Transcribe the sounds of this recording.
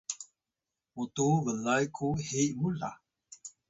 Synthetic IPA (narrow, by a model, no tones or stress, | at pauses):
mutuvəlajkʰuhemula̰